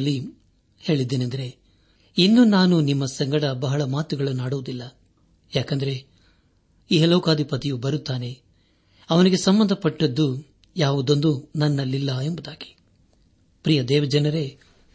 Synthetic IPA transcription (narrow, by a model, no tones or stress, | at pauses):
lːi | he̞ːɭid̪ːeːnɐnd̪ɐɾe̞ | inːunaːnunimːɐsɐŋɡɐɽɐbɐɦɐɭɐmaːt̪uɡɐɭunaːɽuʋud̪ilːɐ | jaːkɐnd̪ɐɾe̞ | iːɦɛlɐwkaːd̪ʱipɐt̪ijubɐɾut̪ːaːne̞ | ɐʋɐniɡe̞sɐmbɐnd̪ʱɐpɐʈːɐd̪ːu | jaːʋud̪o̞nd̪unɐnːɐlːilːɐe̞mbud̪aːɡi̥ | pɾijɐd̪ɛːʋɐd͡ʒɐnɐɾe̞